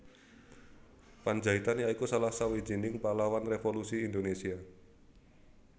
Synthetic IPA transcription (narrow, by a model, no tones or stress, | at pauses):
pand͡ʒait̪anjaikusalasawi̥d͡ʒinɪŋpalawanrefolusiːnd̪onesia